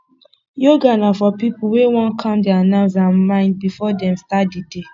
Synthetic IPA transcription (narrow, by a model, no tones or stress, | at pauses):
joɡanafɔpipʊwewɔ̃nkʰãmdɪanãʊzamãɪ̃nd̚bifɔdɛ̃mstat̚dide